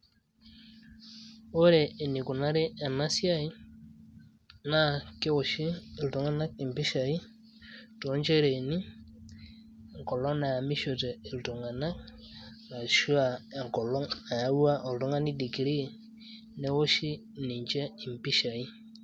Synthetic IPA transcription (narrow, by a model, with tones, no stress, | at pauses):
o˦ɾɛː˨ni˨ku˨na˦ɾɛ˦a˨na˦sja˦i˦ | na˦ke˦wo˨ʃi˦˨ltɔ˨ŋa˦na˦k̚i˨mpi˦ʃa˨i˦ | tɔ˨˦ɲd͡ʒɛ˦ɾe˨ni˦˨ | ŋkɔ˨lɔ˦na˨ja˨mi˦ʃo˨tɛ˨ltu˨ŋa˨na˦k | a˨ʃu˦a˨ŋkɔ˨lɔ˦a˨ja˦u˦a˦ʔɔ˨ltɔ˦ŋa˦ni˦di˨ki˨ɾi˦˨ | nɛ˦wo˦ʃi˦ | ni˨ɲd͡ʒɛ˦i˨mpi˦ʃa˨i˦